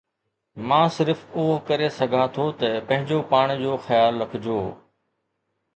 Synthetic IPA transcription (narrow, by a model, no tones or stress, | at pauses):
mãːsɪɾfʊɦokɐɾesɐɡʱat̪ʰot̪ɐpɐ̃ɦɪ̃ɲd͡ʑopaːɽ̃d͡ʑoːxɐjaːlːɐkʰɪd͡ʑoː